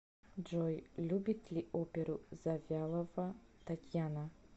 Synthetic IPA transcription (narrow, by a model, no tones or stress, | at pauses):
d͡ʒojlʲubʲit̪ʰlʲiʔopʲeɾuzavʲjalˠovat̪ʰat̪ʲjana